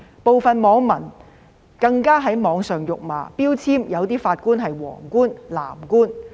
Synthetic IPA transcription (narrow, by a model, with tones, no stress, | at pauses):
po˨wfɐ˨nmɔː˨˥ŋmɐ˨˩n | kɐ˧ŋkaː˥ɦɐ˨˥jmɔː˨˧ŋsœː˨ŋjʊ˨k̚ma̰ː˨˧piː˥wt͡sʰiː˥mjɐ˨˧wt̪iː˥faː˧t̚kuː˥nɦɐ˨jwɔ̰ː˨˩ŋkuː˥nla̰ː˨˩mkuː˥n